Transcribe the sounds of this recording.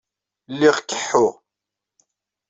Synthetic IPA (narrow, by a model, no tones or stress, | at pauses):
lːiʁkːəħːʊʁ